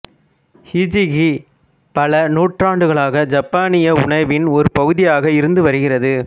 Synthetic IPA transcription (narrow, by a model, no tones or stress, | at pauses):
hid͡ʒɪɣi | pɐlɐnuːʈraːɳɖɯɣɐɭaːɣɐd͡ʒɐpːaːnɪjɐʊɳɐɪʋɪnɔɾɯpɐɣɯðɪjaːɣɐɪɾɯnd̪ɯʋɐɾɯɣɪrɐðɯ